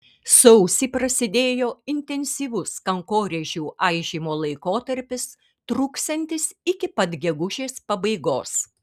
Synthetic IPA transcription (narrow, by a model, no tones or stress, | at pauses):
sɐʊsʲiːpɾɐsʲɪd̪ʲeːjoːɪnʲt̪ʲɛnʲsʲiːʋʊskɐŋkoːɾʲeʒʲuːʔɐɪʒʲiːmoːlˠɐɪkoːt̪ɐɾʲpʲɪs | t̪ɾuːkst̪ɐnʲt̪ʲɪsɪkʲɪpɐd̪ɡʲɛɡʊʒʲeːspɐbɐɪɡoːs